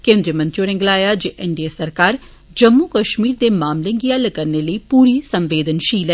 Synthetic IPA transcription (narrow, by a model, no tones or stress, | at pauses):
kẽːnd̪ɾijəmə̃nt̪ɾioɾɪ̃ŋɡlaːjaːd͡ʒeːʔɛɳɖiesəɾkaːɾ | d͡ʒəmːuːkəʃmiːɾd̪eːmaːmlẽːɡiãːləkəɾneːləiːpuːɾiːsəmʋeːd̪ənʃiːlɛː